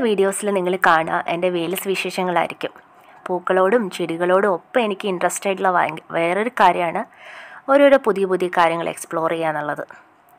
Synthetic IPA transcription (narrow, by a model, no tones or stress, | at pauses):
ʋiːɽijo̞ːsilniŋːɐɭkaːɳɐ̰ʔende̞ʋeːlɐsɨʋiʂeːʂɐŋːɐɭa̰ːjḭɾikʲːum | puːkːɐɭo̞ːɽumt͡ɕiɽiɣɐɭo̞ːɽumopːɐmenikʲːɨindrɐstɐjʈuɭːɐʋ̰ʋeːro̞ɾukaːɾjɐmaːɳɨo̞ɾoɾupuðijɐbuðjɐkːaːɾjɐŋːɐɭḛkspɭo̞ːriɣejaːnːuɭːɐðɨ